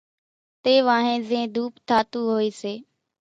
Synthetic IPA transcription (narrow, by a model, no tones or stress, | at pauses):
t̪eːʋãːɦẽːzẽːd̪uːpt̪ʰaːt̪uːɦoːiːseː